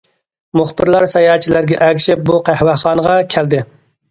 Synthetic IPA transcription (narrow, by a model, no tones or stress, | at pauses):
mʊχbɪɾlˠɑɾsɛjɑːt͡ʃʰilæɾɡʲɛʔɛɡʲʃɪp̚buqæhwæχɑːnəʁɑkʲʰæld̪ɪ